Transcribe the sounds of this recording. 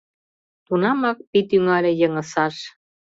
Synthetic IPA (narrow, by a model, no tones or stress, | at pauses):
t̪unɑmɑk̚pit̪yŋɑlʲĕjəŋə̆sɑʃ